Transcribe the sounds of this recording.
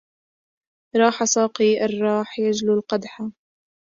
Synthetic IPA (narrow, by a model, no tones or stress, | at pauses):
ɾˤɑːħasˤɑːqiːʔɑrˤːɑːħjad͡ʒlulqɑd̪ħa